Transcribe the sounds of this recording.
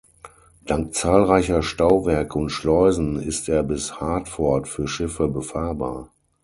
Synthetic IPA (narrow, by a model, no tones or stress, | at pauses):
d̥aŋk̚t͡saːlʁaɪçɐʃtaʊvɛɐkəʊntʃlɔʏzn̩ɪsteːɐbɪshaːɐtfɔɐtfyːɐʃɪfəbəfaːɐba̰ːɐ